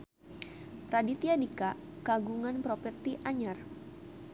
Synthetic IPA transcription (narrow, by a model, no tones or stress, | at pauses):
ɾadit̪iadikakaɡuŋanpɾɔpɛrt̪iʔaɲar